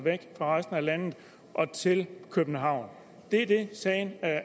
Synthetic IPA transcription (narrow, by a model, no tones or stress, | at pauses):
ʋeɡ̥fʁɑ̈ʁɑɪsd̥n̩ælæn̰ð̩ˠ | ʔɒ̽t͡sʰe̝lkʰøb̥n̩ɦɑ̈ʊ̰n | d̥e̝d̥e̝sɛːɪnæ